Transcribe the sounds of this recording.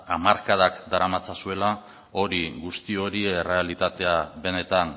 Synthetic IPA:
amaɾkað̞akd̪aɾamat͡sasue̞la | o̞ɾiɣust̪io̞ɾiere̞alit̪at̪e̞aβe̞ne̞t̪an

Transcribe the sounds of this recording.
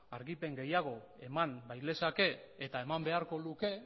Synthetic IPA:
aɾɣipe̞ŋɡe̞jaɣ̞o̞ | e̞manbajle̞sake̞ː | t̪ae̞mambe̞aɾko̞luke̞

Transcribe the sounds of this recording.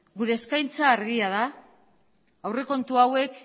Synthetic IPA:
ɡuɾe̞ːskajnt͡saːɾɣiað̞a | wre̞ko̞nt̪uawe̞k

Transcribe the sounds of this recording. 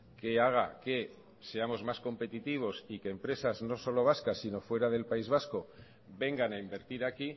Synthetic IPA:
ke̞aɣ̞ake̞ | se̞amo̞zmasko̞mpe̞t̪it̪iβ̞o̞sike̞ːmpɾe̞sazno̞so̞lo̞β̞askasːino̞fwe̞ɾaðe̞lpaizβasko̞ | be̞ŋɡanaimbe̞ɾt̪iɾaki

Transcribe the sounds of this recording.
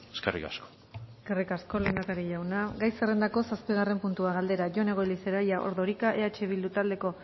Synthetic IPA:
eskerḭka̰sko̥ | eskerikasko̞le̞nd̪akaɾiʎawnaɡajsere̞nd̪ako̞saspiɣ̞are̞mpunt̪uaɣald̪e̞ɾaʝo̞ne̞ɣ̞o̞eliseɾajaʔo̞̰ɾðo̞ɾikaʔe̞at͡ʃe̞β̞ild̪ut̪ald̪e̞ko̞

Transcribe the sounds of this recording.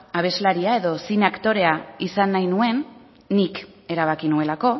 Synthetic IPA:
aβ̞e̞zlaɾiae̞ðo̞sinakt̪o̞ɾe̞aisanːajnue̞nː | ik | e̞ɾaβ̞akinue̞lako̞

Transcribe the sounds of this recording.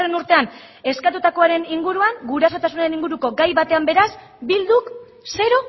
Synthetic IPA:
renuɾt̪e̞an | e̞skat̪ut̪ako̞aɾe̞niŋɡuɾuaŋɡuɾaso̞t̪asunaɾe̞niŋɡuɾuko̞ɡajβat̪e̞ambe̞ɾas | bild̪uk | se̞ɾo̞

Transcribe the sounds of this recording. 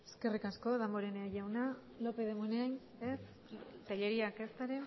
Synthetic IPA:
e̥ske̞rikasko̞ðamboɾeneaʝawna | lo̞peðemunean | es | t̪aʎeɾiake̞st̪aɾe

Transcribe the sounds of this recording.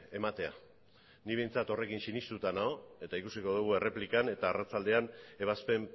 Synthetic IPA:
e̞mat̪e̞a̰ | niβe̞jnt͡sat̪o̞re̞kinsinist̪ut̪anao̞e̞t̪aikusiko̞ðuɣue̞re̞plikane̞t̪aːrat͡sald̪e̞ane̞β̞aspe̞m

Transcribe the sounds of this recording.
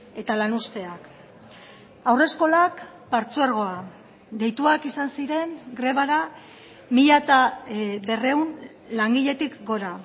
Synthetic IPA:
e̞t̪alanust̪e̞ak | awre̞sko̞lak | paɾt͡sueɾɣ̞o̞a | d̪e̞jt̪uakisansiɾe̞ŋɡɾe̞β̞aɾa | miʎat̪aβe̞re̞un | laŋɡiʎe̞t̪ikɡo̞ɾa

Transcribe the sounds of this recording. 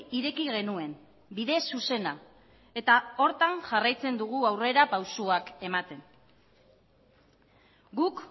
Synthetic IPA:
iɾe̞kiɣe̞nue̞n | biðe̞suse̞na | e̞t̪ao̞ɾt̪aŋʝarajt͡se̞nd̪uɣ̞uawre̞ɾapawsuake̞mat̪e̞n | ɡuk

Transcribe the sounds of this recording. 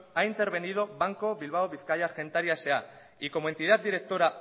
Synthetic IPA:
aint̪e̞ɾβ̞e̞nið̞o̞βaŋko̞βilβ̞aoβiθkajaɾxe̞nt̪aɾjasea | iko̞moe̞nt̪ið̞at̪̚d̪iɾe̞k̚t̪o̞ɾa

